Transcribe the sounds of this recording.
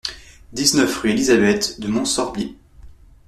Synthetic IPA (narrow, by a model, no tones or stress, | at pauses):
d̪iznœfʁyelizabɛt̪d̪əmɔ̃sɔʁbi